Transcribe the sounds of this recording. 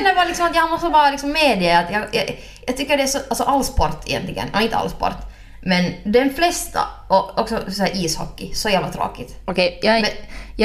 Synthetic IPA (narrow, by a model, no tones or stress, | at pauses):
nːəɾbɑːɾalɪksɔmat̪jɑhamɔst̪əvɑːɾalɪksɔmːeːd̪ɪəat̪jɑjɑ̰ | jɑɡt̪ʰʏkːəɖɛæsɔʔalsɔʔalːspɔɾt̪ʰɪjɛ̰nt̪lɪɡə̰nɔɪnt̪ə̰a̰lspɔ̰ɾt̪ | mɛnd̪ɛnflɛst̪ʰa̰ɔɔksɔsæːɾʔiːshɔ̰kːɪsɔjæːvlat̪ʰɾo̰ːkɪt̪ɔkʰɛjjɑɛj